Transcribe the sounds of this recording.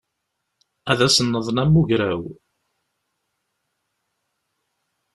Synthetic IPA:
æðæsənːəðˤnæmːuʝɾæw

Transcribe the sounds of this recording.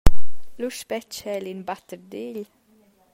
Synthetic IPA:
luʃpɛt͡ʃhɛlinbat̪əɾd̪eːʎ

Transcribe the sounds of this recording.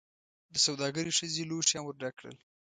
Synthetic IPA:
d̪əsawd̪ɑɡəɾiʂəzeloʃamwəɾɖakɽə̰l

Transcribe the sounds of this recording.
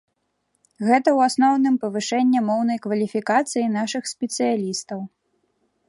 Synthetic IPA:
ɣɛt̪ɐwasnɔwnɨmpɐvɨʂɛnʲːɛmɔwn̪ɐjkvɐlʲifʲikat̪sɨjinaʂɨxsʲpʲɛt̪sɨjalʲist̪ɐw

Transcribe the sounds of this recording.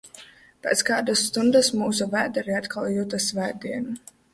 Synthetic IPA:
pʲɛːt̪skaːd̪asːt̪und̪asmuːsuvæːd̪ɛɾiat̪kʰalˠjut̪asvæːd̪iɛnu

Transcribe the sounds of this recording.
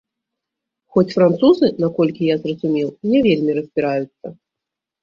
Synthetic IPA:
xɔt͡sʲfɾant̪suzɨnakɔlʲkʲijazrɐzumʲɛlˠnʲɛvʲelʲmʲiɾɐzʲbʲiɾajut̪sːɐ

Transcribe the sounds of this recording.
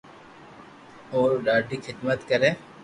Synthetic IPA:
oːɾɖaːɖʱiːkʰɪd̪mət̪kəɾẽː

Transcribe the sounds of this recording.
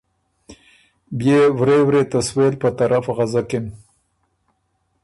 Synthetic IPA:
bjewɾewɾet̪aswelpət̪aɾʔafaɣazakem

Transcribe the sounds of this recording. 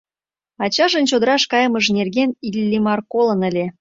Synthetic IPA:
ɑt͡ɕɑʒə̆nt͡ɕod̪əɾɑʃkɑjəməʒnerɣenilʲːimɑrkolə̆nə̆lʲe

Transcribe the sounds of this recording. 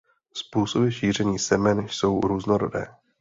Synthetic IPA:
spuːsobɪʃiːr̝ɛɲiːsɛmɛnso̞wɾuːznoɾo̰dɛ̰ː

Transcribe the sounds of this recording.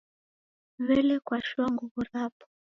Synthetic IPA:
βɛlɛkwaʃuaŋɡuβuɾapɔ̥

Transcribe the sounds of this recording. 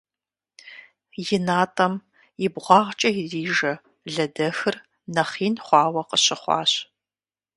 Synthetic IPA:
jɪnaːtʼɐm | jɪbʁʷɑːʁt͡ʃʼɐjɪriːʒɐ | ɮɐdɐxɨr | nɐχiːnχʷɑːwɐqəɕɪχʷɑ̰ːɕ

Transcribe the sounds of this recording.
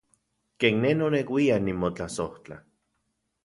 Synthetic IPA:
keːnnenonekwianimot͡ɬasoht͡ɬa̰

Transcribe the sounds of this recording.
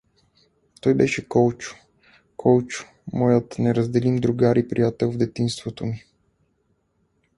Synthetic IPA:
t̪ɔjbɛʃɛkɔlˠt͡ʃʊ̥ | kʰɔlˠt͡ʃʊ̥ | mɔjət̪nɛɾəzd̪ɛlimd̪ɾuɡaɾipɾijat̪ɛlˠvd̪ɛt̪inst̪vot̪omi

